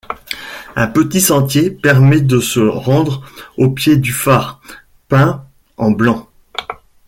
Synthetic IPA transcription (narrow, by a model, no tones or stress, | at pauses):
ɛ̃pət̪isɑ̃t̪jepɛʁmɛd̪əsəʁɑ̃d̪ʁopjed̪yfaːʁ | pɛ̃ | ɑ̃blɑ̃